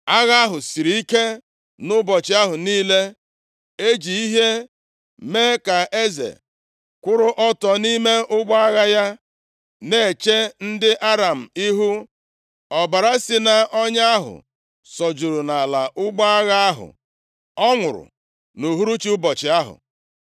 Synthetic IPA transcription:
a˦ɣa˦a˦ɦʊ˨si˨ɾi˨i˦ke˦ | nʊ˦bɔ˨t͡ʃɪ˨˦a˦ɦʊ˨niː˦le˦ | e˦d͡ʒi˨i˦ɦe˦ | me˦ka˨e˦zḛ˨ | kʷʊ˦ɾʊ˦ʔɔ˦tɔ˨ni˦me˦ʔʊ˦ɡ͡ba˦ɣa˦ja˦ | ne˨e˨t͡ʃe˦n̩˦dɪ˦ʔa˦ɾa˨m̩˨i˦ɦu˦ | ɔ˨ba˨ɾa˦sɪ˦na˦ɔ˦ɲa˦a˦ɦʊ̰˨ | sɔ˨d͡ʒu˨ɾu˨na˨la˨ʔʊ˦ɡ͡ba˦a˦ɣa˦a˦ɦʊ̰˨ | ɔ˦ŋʷʊ˨ɾʊ̰˨ | nu˨ɦu˦ɾu˦t͡ʃi˦ʊ˦bɔ˨t͡ʃɪ˨a˦ɦʊ̰˨

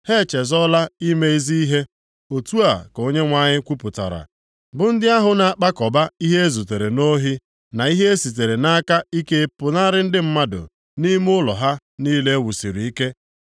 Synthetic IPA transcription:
he˦˨t͡ʃe˨zɔ˦la˦i˦me˦i˦zi˦i˦ɦe˦ | o˨tu˦a˨ko˦ɲe˦ŋʷa˦˨ɲɪ˦kʷu˦pʊ˨ta̰˨ɾa̰˨ | bʊ˨n̩˦dɪ˦a˦ɦʊ˨na˨a˨k͡pa˦kɔ˨ba˦i˦ɦe˦e˦zu˨te˨ɾe˨no˦ɦi˦ | na˨i˦ɦe˦e˦si˨t̬e˨ɾe˨na˦ka˦i˦ke˦pʊ˨na˦ɾɪ˦n̩˦dɪ˦m̩˦ma˦dʊ̰˨ | ni˦m˦ʊ˦lɔ̰˨ɦa˦ | niː˦le˦wu˨si˨ɾi˨i˦ke˦

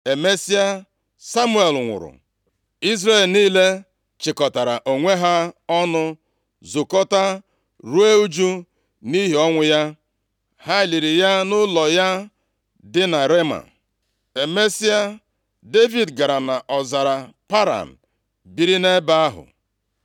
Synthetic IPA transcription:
e˨me˦si˦a˦ | sa˦mu˦e˨lŋʷʊ̰˨ɾʊ̰˨ | i˦zre˦˨lniː˦le˦ | t͡ʃɪ˨kɔ˨ta˨ɾa˨ʔo˨ŋʷe˦ɦa˦ɔ˦nʊ˦ | zʊ˨kɔ˦ta˦ | ɾu˦e˦u˦d͡ʒu˦ | ni˦ɦi˨˦ɔ˦ŋʷʊ˨ja˦ | ha˦ɪ˨li˨ɾi˨ja˦nʊ˦lɔ˨ja˦ | dɪ˦na˨ɾe˦ma̰˨n | e˨me˦si˦a˦ | de˦vi˨dɡa˨ɾa˨na˨ʔɔ˨za˨ɾa˨pa˦ɾa̰˨n̩˨ | bi˨ɾi˦ne˦ba˦a˦ɦʊ̰˨

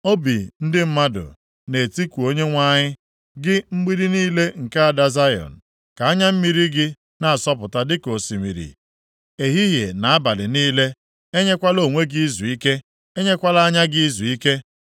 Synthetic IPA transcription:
o˦bi˨n̩˦dɪ˦m̩˦ma˦dʊ̰˨ | ne˨ti˦kʷu˨o˦ɲe˦ŋʷa˦ɲɪ˦ | ɡɪ˦ŋ͡m̩˦ɡ͡bi˦ɾi˦niː˦le˦ŋ̩˨ka˦a˨da˦za˦jɔ̰˨n̩˨ | ka˨a˦ɲa˦m̩˦mi˨ɾi˦ɡɪ˦ | na˨a˨sɔ˦pʊ˨ta˦dɪ˦ko˨si˨mḭ˨ɾḭ˨ | e˨ɦi˦ɦje˨na˨a˦ba˨lɪ˨niː˦le˦ | e˦ɲe˦kʷa˦lo˦˨ŋʷe˦ɡi˦i˦zu˨i˦ke˦ | e˦ɲe˦kʷa˦la˦a˦ɲa˦ɡi˦i˦zu˨i˦ke˦

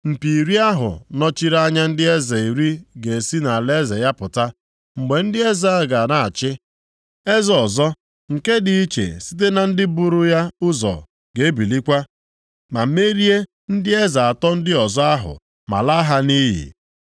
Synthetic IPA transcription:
m̩˨pi˨ɾi˦a˦ɦʊ̰˨nɔ˦t͡ʃi˦ɾa˦ɲa˦n̩˦dɪ˦e˦ze˨i˨ɾi˦ɡe˨si˦na˨le˦ze˨ja˦pʊ˨ta˦ | ŋ͡m̩˨ɡ͡be˨n̩˦dɪ˦e˦za˦a˦ɡa˨na˨a˨t͡ʃɪ˦ | e˦zɔ˨zɔ˦ | ŋ̩˨ke˦dɪ˨i˦t͡ʃḛ˨si̥˦t̬e˦na˨n̩˦dɪ˦bʊ˦ɾʊ˦ja˦ʊ˦zɔ̰˨ | ɡ̥e˨e˦bi˨li˦kʷa˦ | ma˨˦me˦ɾi˦e˦ | n̩˦dɪ˦e˦za˨a˨tɔ˦n̩˦dɪ˦ɔ˨zɔ˦a˦ɦʊ̰˨ | ma̰˨la˦ɦa˦ni˦ɦḭ˨

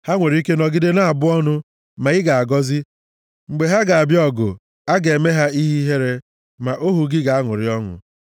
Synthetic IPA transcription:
ha˦ŋʷe˨ɾi˦ke˦nɔ˨ɡɪ˦de˦na˦a˨bʊ˦ɔ˦nʊ˦ | ma˨ɣɪ˦ɡa˨a˨ɡɔ˦zɪ˦ | ŋ͡m̩˨ɡ͡be˨ɦa˦ɡa˨a˨bjɔ˨ɡʊ̰˨ | a˦ɡe˨me˦ɦa˦i˦ɦi˦ɦe˦ɾe˦ | ma˨ʔo˦ɦu˨ɡɪ˦ɡa˨a˦ŋʷʊ̰˨ɾɪ˨ɔ˦ŋʊ̰˨

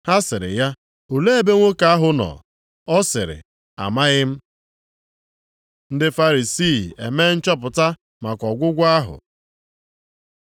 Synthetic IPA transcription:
ha˦sɪ˨ɾɪ̰˨ja˦ | u˨le˦e˨be˦ŋʷo˦ka˦a˦ɦʊ˨nɔ̰˨ | ɔ˦sɪ̰˨ɾɪ̰˨ | a̰˨ma˦ɣɪ˦m̩˦ | n̩˦dɪ˦fa˦ɾi˨si˦˨e˨meː˦n̩˦t͡ʃɔ˦p̬ʊ˨ta˦ | ma˨kɔ˨ɡʷʊ˦ɡʷa˦ɦʊ̰˨

